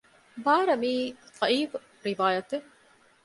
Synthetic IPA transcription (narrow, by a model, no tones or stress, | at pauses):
baːɾɐmiːfɐʔiːf | ɾiʋaːjɐt̪e